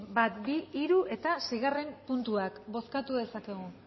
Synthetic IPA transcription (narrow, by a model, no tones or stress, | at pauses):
bat̪biiɾue̞t̪asejɣare̞mpunt̪uakbo̞skat̪uðe̞sake̞ɣ̞u